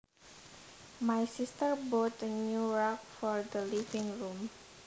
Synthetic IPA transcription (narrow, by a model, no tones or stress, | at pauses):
majsist̪əɹbot̪ənuɹɔk̚fɔɹd̪əlifɪ̃ŋɹum